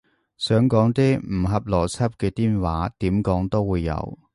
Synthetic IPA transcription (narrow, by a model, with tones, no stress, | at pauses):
sœː˨˥ŋkɔː˨˥ŋt̪i˥m̩˨˩ɦɐ˨p̚lɔː˨˩t͡sʰɐ˥p̚kɛː˧t̪iː˥nwaː˨˥t̪iː˨˥mkɔː˨˥ŋt̪o˥wuː˨˧jːɐ̰˨˧w